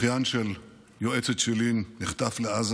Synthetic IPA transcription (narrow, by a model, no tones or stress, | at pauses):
janʃel | joet͡set̪ʃelinːiχt̪afleaz